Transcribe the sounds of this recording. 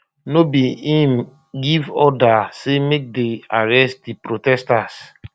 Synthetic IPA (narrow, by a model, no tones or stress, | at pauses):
nobiĩm | ɡivɔdasemek̚deaɹɛst̚dipɾotɛstas